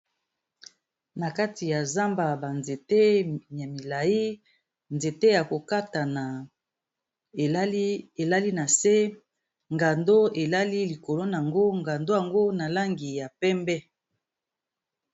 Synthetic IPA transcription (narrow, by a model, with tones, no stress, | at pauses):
na˨ka˦ti˨ja˨za˦mba˨ba˨nze˨te˦ja˨mi˨la˨ji˦ | nze˨te˦ja˨ko˨ka˦ta˨na˨˦ | e˨la˦li˦na˨se˦ | ŋɡa˨ndo˦e˨la˦li˦li˨ko˨lo˦n˨a˨ŋɡo˦ŋɡa˨ndo˦ja˨ŋɡo˦na˨la˦ŋɡi˨ja˨pɛ˦mbɛ˦